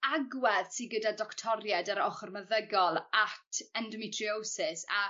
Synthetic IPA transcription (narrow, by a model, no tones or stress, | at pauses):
aɡwɛðsiɡədadɔktʰɔɾjɛdaɾɔχɔrməðəɡɔlˠatʰɛndɔmɪtʰriowsɪsa